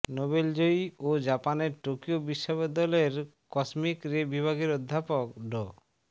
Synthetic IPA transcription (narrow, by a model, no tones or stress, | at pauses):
nobeld͡ʑojod͡ʑapaneɾʈokiobiʃːobɔd̪ɔleɾkɔsmikɾebibʱaɡeɾod̪ʱːapokɖɔ